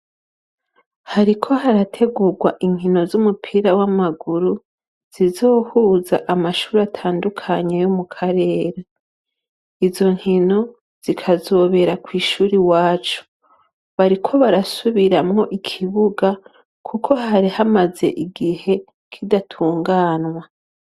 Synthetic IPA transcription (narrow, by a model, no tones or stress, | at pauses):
haɾikʰo̞haɾatʰe̞ɡuɡwaʔiŋ̥hino̞zumupʰiɾawamaɡuɾu | z̥izo̞ːhuːzaʔamaʃuːɾatʰaːndukʰaɲejomukʰaɾe̞ːɾe | izo̞ŋ̥hino̞ | z̥ikʰazo̞ːβe̞ɾakwiːʃuːɾiwaːt͡ʃu̥ | βaɾikʰo̞βaɾasuβiɾamŋo̞ʔikʰiβuɡa | kʰukʰo̞haɾihamaze̞̰ʔiɡihe̞ | kʰidatʰuːŋɡaːnŋwa